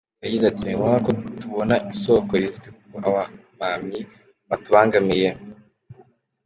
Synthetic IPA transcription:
jaɟizatiniɡaŋakotuβonaʔinso̞koɾizɡwikukoaβamamɲi | βatuβaːŋɡamije

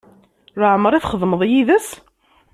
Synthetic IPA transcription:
rˤaʕməɾˤiθχəðˤməðˤjiðəs

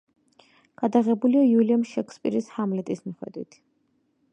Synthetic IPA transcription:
ɡ̥ad̪aʁɛbuliajuliamʃɛkʰspʼḭɾishamlɛt̪ʼismiχwɛ̰d̪wḭt̪ʰ

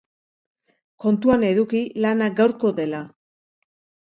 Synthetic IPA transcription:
ko̞nt̪uane̞ðukilanaɡawɾko̞ðe̞la

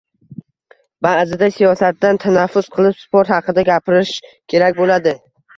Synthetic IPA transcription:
bazɪd̪asijɒsat̪ːant̪ʰanafːʊsqʰɨlˠɪʃspoɾt̪hɑqʰɨd̪aɡʲapɪɾɪʃkʲʰe̞ɾak̚ʲbolad̪ɪ

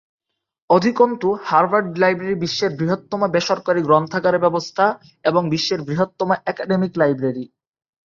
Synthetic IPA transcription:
od̪ʱikont̪uhaɾbaɾɖlajbɾeɾibiʃːeɾbɾiɦot̪ːomabeʃoɾkaɾiɡɾɔnt̪ʰaɡaɾebɛbost̪ʰa | eboŋbiʃːeɾbɾiɦot̪ːomaʔɛkaɖemiklajbɾeɾi

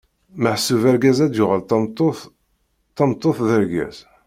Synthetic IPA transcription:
məħəsːuvæɾɡæzæd̪jʊʁəlt̪t̪ | t̪ːɑnt̪ˤːoθðəɾɡæ̰z̥

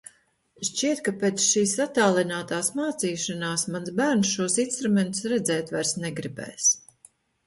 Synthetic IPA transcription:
ʃt͡ʃiɛt̪̚kapeːt̪sʃiːsat̪aːlˠinaːt̪aːsmaːt̪siːʃanaːsmanzbæːɾnsʃuɔsinst̪ɾumɛnt̪u̥sɾɛd̪zɛːt̪vajɾsnɛɡɾibɛ̰ːjs

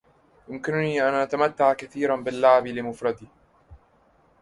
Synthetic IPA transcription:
jʊmkɪnʊniːʔanʔat̪amat̪ːaʕkaθiːɾanbɪlːaʕbilɪmʊfɾˤɑd̪iː

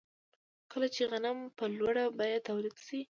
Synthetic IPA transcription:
kəlat͡ʃeɣanampəlwaɽabɑjad̪̚t̪ːawlid̪si

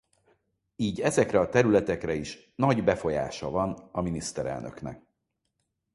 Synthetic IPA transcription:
iːɟɛzɛkrɛɒt̪ɛɾylɛt̪ɛkrɛiʃ | nɒɟbɛfo̞ja̰ːʃɒvɒnɒminist̪ɛɾɛ̰lnø̞knɛ̰k

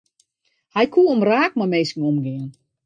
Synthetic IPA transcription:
hajkʰuːomraːk̚mɔmeːskŋ̩ɔmɡɪən

